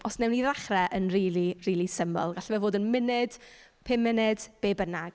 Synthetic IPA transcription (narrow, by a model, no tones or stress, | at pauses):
ɔsnɛwniðaχrɛʔənriːlˠiriːlˠisəmɔ̰lˠɡaɬvɛvoːdənmɪnɪd̥pʰɪmːɪnɪd̥b̥eːbənaɡ̥